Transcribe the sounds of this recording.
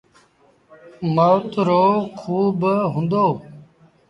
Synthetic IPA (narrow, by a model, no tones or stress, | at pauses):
məwt̪ɾoːkʰuːbɦʊ̃nd̪oː